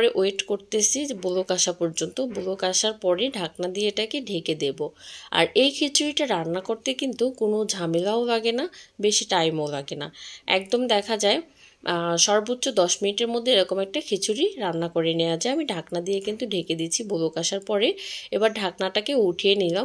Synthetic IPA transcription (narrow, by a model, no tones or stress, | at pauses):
ɾeʔoeʈkoɾt̪esibolokaʃapɔɾd͡ʑont̪obolokaʃaɾpɔɾejɖʱak̚nad̪ijeʈakeɖʱeked̪eboa̰ɾejkʰet͡ɕʰuɾiʈaɾanːakoɾt̪ekint̪ukonod͡ʑʱamelaolaɡenabeʃiʈajmolaɡena̰ɛ̰k̚d̪omd̪ɛkʰad͡ʑae | ʃɔɾbotːɕod̪ɔʃminiʈeɾmod̪ʱːeeɾɔkomɛk̚ʈakʰet͡ɕʰuɾiɾanːakoɾenead͡ʑaamiɖʱaknad̪ijekint̪uɖʱeked̪it͡ɕʰibolokaʃaɾpɔɾeebaɾɖʱaknaʈakeuʈʰijenila